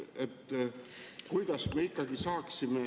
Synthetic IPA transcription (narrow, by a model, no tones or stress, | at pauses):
et̪ː | kujd̪̥ɑsme̞ikːˑɑɡisɑːksime̞